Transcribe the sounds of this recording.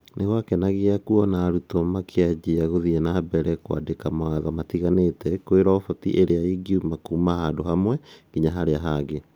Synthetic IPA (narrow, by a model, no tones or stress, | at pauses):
nʔeɣwakɛnaɣeakuɔnaːɾutɔmakʰead͡ʒiaɣoðiɛnabɛɾɛkwa̰dekamaaðɔmatiɣanetɛkoeɾɔfɔtḭʔeɾeaiɡiumakumahaːndoɦamwɛkiɲaɦaɾeaɦaɡe